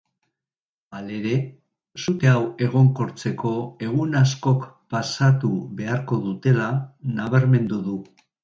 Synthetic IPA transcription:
ale̞ɾe̞ | sut̪e̞awe̞ɣ̞o̞ŋko̞ɾt͡se̞ko̞e̞ɣunasko̞kpasat̪uβe̞aɾko̞ðut̪e̞lanaβaɾme̞nd̪uðu

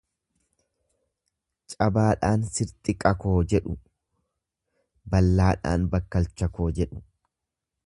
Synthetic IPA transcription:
t͡ʃʼɐbaːᶑaːnsɪɾt̪ʼɪkʼɐkoːd͡ʒɛᶑʊ | bɐlːaːᶑa̰ːnbɐkːɐlt͡ʃːɐko̞ːd͡ʒɛᶑʊ

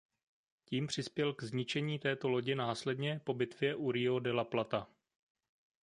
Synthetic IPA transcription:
ciːmpr̝̥ɪspjɛlɡzɲɪt͡ʃɛɲiːt̪ɛːt̪o̞lo̞ɟɪnaːslɛdɲɛpo̞bɪt̪vjɛʔuɾɪo̞dɛlaplat̪a

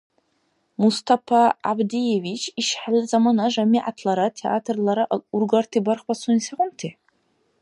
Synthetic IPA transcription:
must̪ʰafʰaa̰bdijevit͡ʃʰiʃħalazamanaʐamiʔa̰tʰlaɾatʰeʔa̰tʰrlaɾaʔurɡartʰibarχbasunisaqʷʊntʰe

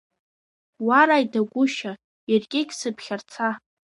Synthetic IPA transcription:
waɾajdaɡʷʊʃa | arɡʲʼɪkʲʼsɨpʰχʲart͡sʰa

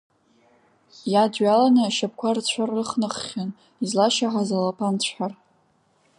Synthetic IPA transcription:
jadɥalanɨʃap̚ʰkʷʰart͡ɕʷʰarːɨχnɨχʲan | izlaʃaħazalapʰant͡ɕʷʰħar

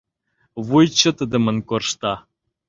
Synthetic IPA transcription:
vujt͡ɕːə̆t̪əd̪ə̆mə̆nkorʃt̪ɑ

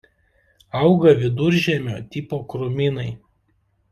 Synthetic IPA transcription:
ɐʊɡɐʋʲɪd̪ʊɾʲʒʲɛmʲo̰ːt̪ʲɪpoːkɾʊmʲɪnɐɪ

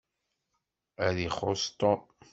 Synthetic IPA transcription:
æɾiχost̪ˤo

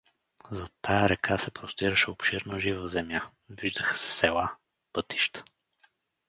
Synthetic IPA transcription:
zɐt̪ʰajɐɾɛkʰasɛpɾost̪iɾəʃɛopʃiɾnəʒivəzɛmja | viʒd̪əxə̥sɛ̥sɛlˠa | pɤt̪iʃt̪ə̥

